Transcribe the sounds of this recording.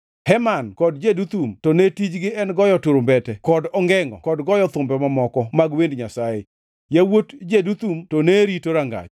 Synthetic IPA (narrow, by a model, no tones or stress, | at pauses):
hɛmankɔdd͡ʒedut̪umtɔnetid͡ʒɡɪɛnɡɔjɔtoɾombɛtɛkɔdɔŋɡɛŋɔ̰kɔdɡɔjɔt̪ʊmbɛmamɔkɔmaɡwendɲasaje | jawotd͡ʒedut̪umtɔneɾitoɾaŋɡa̰t͡ʃ